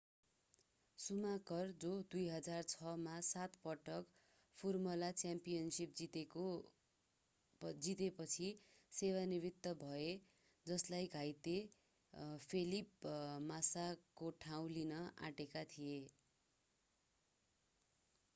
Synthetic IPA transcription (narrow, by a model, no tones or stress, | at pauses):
sumakʌrd͡zod̪ujɦʌd͡zart͡sʰʌmasat̪pʌʈʌk | pʰurmʌlat͡sjampijʌnsip̚i | d͡zit̪epʌt͡sʰisewanibit̪ːʌbʱʌe | d͡zʌslajɡʱajt̪e | pʰelipmasakoʈʰaw̃linʌʔa̰ʈekat̪ʰije